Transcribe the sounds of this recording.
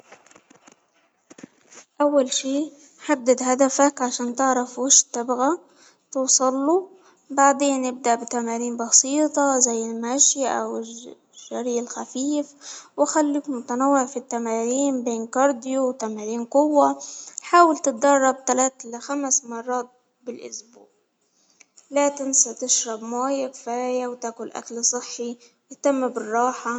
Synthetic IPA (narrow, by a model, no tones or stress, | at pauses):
ʔawːalʃiː | ħad̪ːɪd̪had̪afakʕaʃaːnt̪ɪʕɾˤɑfwaʃt̪ːabɣa | t̪uːsˤɑlːu | baʕd̪eːnʔɪb̚d̪aʔbɪt̪amaːɾiːmbɑsiːt̪ˤɑzajːɪlmaʃjaʔa̰wɪ | ʒːaɾiːʔɪlxafiːfwaxalːiːkmʊt̪anawːɪʕfit̪ːamaːɾiːmbeːnkɑɾˤd̪ɪjuwt̪amaːɾiːnqʊwːaħaːwɪlt̪ɪt̪̚d̪ɑrˤːɑb̚t̪alaːt̪laxamsmɑrˤːɑːt̪̚ | bɪlʔʊ̰sbṵːʕ | laːt̪ɪnsat̪ɪʃɾɑbmaːjakfaːjawt̪aːkʊlʔa̰klsˤɨħːi | ɪt̪amːabɪrˤːɑːħa